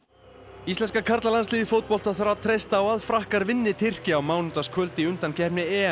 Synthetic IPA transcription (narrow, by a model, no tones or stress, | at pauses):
ist̪lɛnskakʰaɾt̪lalansliːðɪfowt̪̚pɔl̥t̪aθɾawat̪ʰɾejst̪aːwaðfɾahkaɾvɪnːɪt̪ʰɪr̥cɪawmaːwnʏnt̪askʰvœlt̪ɪʏn̥t̪ancʰɛhpnɪɛ